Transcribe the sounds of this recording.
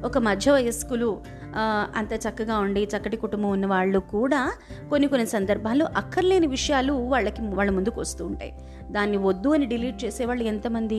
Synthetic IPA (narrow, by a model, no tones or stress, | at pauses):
ɔkɐmɐd̪ʱjɐʋɐjɐskulu | ɐ̰nt̪aːt͡ʃɐkːɐɡaːuɳɖijit͡ʃɐkːɐʈikuʈumbɐmunːɐʋaːɭːukuːɽaː | ko̞nːikonːisɐnd̪ɐɾbʱaːnlo̞ːʔɐkʰːɐɾleːniʋiʂɐjaːluʋaːɭːɐkiʋaːɭːɐmund̪ukuʋɐst̪uːuɳʈa̰ːji | d̪aːnːiʋod̪ːuɐniɖiliːʈ̚t͡ʃeːsɛːʋaːɭːuent̪ɐmɐnd̪i